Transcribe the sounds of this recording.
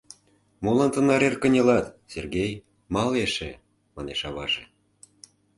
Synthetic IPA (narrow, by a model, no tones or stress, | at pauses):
molɑnt̪ə̆nɑɾerkə̆nʲĕlɑt̪serɣej | mɑleʃe | mɑneʃɑβɑ̰ʒḛ̆